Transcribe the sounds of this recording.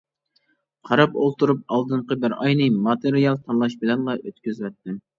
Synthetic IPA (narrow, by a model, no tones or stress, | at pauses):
qʰɑɾɑpo̰lˠt̪uɾup̚ɑlˠd̪ɨɴqəbɪɾɑjnɨmɑt̪eɾijɑlˠt̪ʰɑnlˠɑʃbɪlɛnlˠɑʔøt̪̚kʲyzwɛt̪ʰːɪm